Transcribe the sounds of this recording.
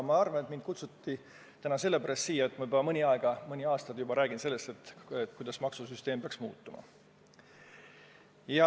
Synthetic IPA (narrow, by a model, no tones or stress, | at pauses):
mɑɑrvɑnet̪mind̪̥̚kut̪sut̪ːi | t̪ænɑse̞lːe̞pæɾɑst̪siːjɑet̪ːˑmɑbɑmɤnʲiɑe̞ɡ̥ɑmɤnʲiɑːst̪ɑd̪̥jubɑɾæːɡ̥inse̞lːe̞st̪e̞t̪ːet̪kujd̪̥ɑsmɑksusyst̪e̞ːmb̥eɑksmṵːt̪ːˑumɑ̰ | jɑ